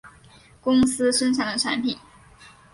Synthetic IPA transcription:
kʊ˥ŋsɹ̩˥ʂə˥nʈ͡ʂʰɑ˨˩ŋd̪ə˧˩ʈ͡ʂʰa˧˥npʰi˨˩˦

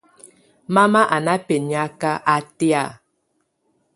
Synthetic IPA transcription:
ma˦ma˦ʔa˨na˦pe˨ɲi˨a˦ka˦ʔa˦te˦a̰˦˨

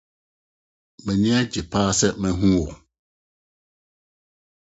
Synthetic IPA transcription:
mɛ̃˨ɲɪ̃˦a˦d͡ʑi˨pʰaː˦sɛ˦mɛ̃˨ɦũ˦wɔ˨

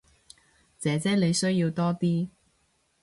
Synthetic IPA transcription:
t͡sɛː˨˥t͡sɛː˥le˨˧jsɵ˥ɥjiː˧wt̪ɔː˥t̪iː˥

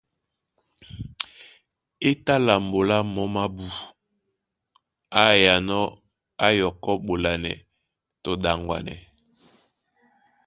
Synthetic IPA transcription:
e˦ta˦la˨mbo˨la˦mɔ˨˦ma˦bu˨ | a˦ja˨nɔ˦ | a˦jɔ˨kɔ˦ɓo˨la˨nɛ̰˨ | to˨da˨ŋɡwa̰˨nɛ̰˨

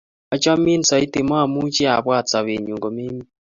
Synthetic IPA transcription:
ɔ˨˦t͡ʃa˦mi˦n˨sa˨i˦te˨mɔ˦a˨mu˦t͡ʃe˦a˨βwa˦˨t͡sa˨βe˨ɲu˨ŋɡo˨me˦mi˦

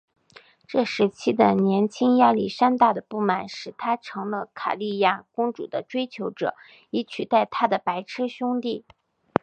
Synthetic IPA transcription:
ʈ͡ʂɤ˥˩ʂɻ̩˧˥t͡ɕʰi˥d̪ə˨njɛ˧˥nt͡ɕʰi˥ŋja˥li˥˩ʂa˥nt̪a˥˩d̪ə˩pu˥˩ma˨˩nʂɻ̩˨˩t̪ʰa˥ʈ͡ʂʰɤ˧˥ŋlə˧kʰa̰˨˩li˥˧ja˥˩kʊ˥ŋʈ͡ʂṵ˨˩d̪ə˦ʈ͡ʂwe˥ɪt͡ɕʰjo˧˥ʊʈ͡ʂɤ̰˨˩˦ | i˧˥t͡ɕʰy˨˩t̪a˥˩ɪt̪ʰa˥d̪ə˨pa˧˥ɪʈ͡ʂʰɻ̩˥ɕjʊ˥ŋt̪i˥˩

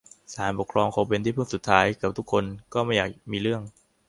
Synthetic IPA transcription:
saː˩˦npo˨˩kʰɾɔː˧ŋkʰɔ˨˦p̬e˧nt̪ʰiː˥˩pʰɯ˥˩ŋsu˨˩t̪ʰːaː˦˥jkɯ˨˩p̚t̪ʰu˦˥kʰːo˧nkɔː˥˩ma˥˩jaː˨˩k̚miː˧ɾɯ˥˩əŋ

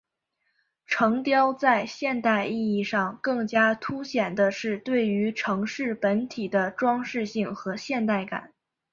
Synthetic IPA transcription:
ʈ͡ʂʰɤ˧˥ŋt̪jɑ˥ʊt͡sa˥˧ɪɕjɛ˥˧nt̪a˥˧ɪi˥˧i˥˧ʂɑ˥˧ŋkɤ˥˩ŋt͡ɕja˥t̪ʰu˥ɕjɛ˨˩nd̪ə˦ʂɻ̩˥˧t̪we˥˩ɪy˧˥ʈ͡ʂʰɤ˧˥ŋʂɻ̩˥˩pə˧˥nt̪ʰi˨˩d̪ə˦ʈ͡ʂwɑ˥ŋʂɻ̩˥˧ɕi˥˩ŋxɤ˧˥ɕjɛ˥˧nt̪̬a˥˩ɪka̰˨˩˦n

